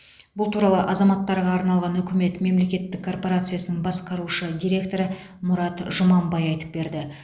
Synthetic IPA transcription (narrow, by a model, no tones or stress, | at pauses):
bʊlˠt̪ʰuɾɑlˠəʔɑzɑmɑt̪ːɑɾʁɑːɾnɑlˠʁɑnʏkʲɪme̞t̪me̞mle̞kʲe̞t̪ːɪkʰːo̞rpo̞ɾat̪sɨjasənəɴbɑsqɑɾuʃəd̪ʲijɾʲe̞kt̪o̞ɾə | mʊɾɑt̪ʒʊmɑmbɑjɑjt̪ə̥p̚be̞ɾd̪ɪ